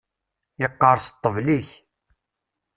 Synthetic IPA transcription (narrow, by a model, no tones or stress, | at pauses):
ɪqːɑɾˤst̪ˤːəvliç